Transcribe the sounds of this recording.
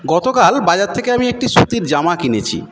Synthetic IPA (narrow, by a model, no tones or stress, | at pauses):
ɡɔt̪okalbad͡ʑat̪̚ʰekeamiek̚ʈisut̪iɾd͡ʑamakinet͡ɕʰḭ